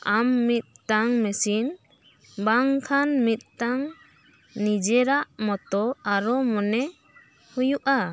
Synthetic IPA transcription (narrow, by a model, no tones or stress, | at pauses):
amːit̪̚t̪aŋmɛsin | baŋkʰanmit̪̚ˀt̪aŋ | nid͡ʒɛɾaʔmɔt̪ɔaɾɔmɔnɛ | hujuʔa